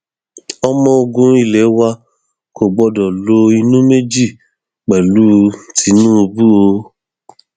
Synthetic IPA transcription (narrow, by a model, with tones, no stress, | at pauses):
ɔ˧mɔ̃˧o˧ɡũ˧i˦˨lɛ˨˦wa˧ | ko˨ɡ͡bɔ˧dɔ˨lo˧˦i˧nũ˦me˦d͡ʒi˦˨ | k͡pɛ˨lu˦˧tʰi˧˦nũ˦o˧bu˦o˧